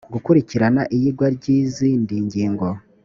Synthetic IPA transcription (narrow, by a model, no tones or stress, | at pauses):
ɡukuɾiciɾanaʔijiɡwaɾɟiːziːndiɲɟiːŋɡo̞